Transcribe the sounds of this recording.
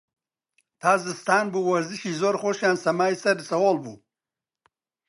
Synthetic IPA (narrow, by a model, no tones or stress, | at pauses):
t̪ʰaːzɨst̪aːnbuwɐɾziʃiːzoːɾxoʃjaːnsɐmaːisɐɾsɐwolbṵː